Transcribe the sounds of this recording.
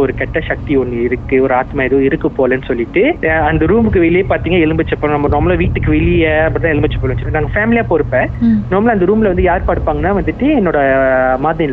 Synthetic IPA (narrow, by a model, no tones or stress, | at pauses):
ɔɾɯkɛʈːɐʃɐk̚t̪iɔnːɯɪɾɯkːɯɔɾɯaːt̪maːɛðoɪɾɯkːɯpːoːlɐnːɯsɔlːɪʈːɯɐnd̪ɐɾuːmbɯkːɯʋɛɭɪjeːpaːɾt̪iːŋɡaːɛlɯmbɐt͡ʃːɐpːõnɐmːɐnoːɾmɐlaːʋiːʈːɯkːɯʋɛɭɪjɐɐpːɐɽɪt̪ãːɛlɯmbɐt͡ʃːɐ̥pːoːʋɐt͡ʃːnaːŋɡɐfaːmɪlɪjaːpoːɾɯpːẽːnoːɾmɐlaːnd̪ɾuːmɪlɐʋɐnd̪ɯjaːɾpaːɽɯpːaːŋɡɐnːaːʋɐnd̪ɯʈːɯɛnːoːɽɐmaːðɐɪnː